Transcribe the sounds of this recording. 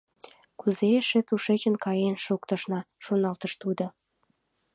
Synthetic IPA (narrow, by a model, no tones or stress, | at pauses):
kuzeʃĕt̪uʃet͡ɕə̆nkɑjenʃukt̪ɤ̆ʃnɑ | ʃunɑlt̪əʃt̪ud̪ŏ